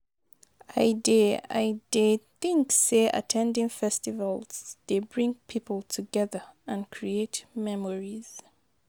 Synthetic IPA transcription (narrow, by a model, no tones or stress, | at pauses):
aɪdɛa̰ɪdeθɪ̃ŋkseʔa̰tʰɛ̃ndɪ̃ŋfɛstivalˠz̥d̥ebɹĩŋpʰipʰəlˠtʰuɡɛðəãnkʰɹietmɛmɔɹiz̥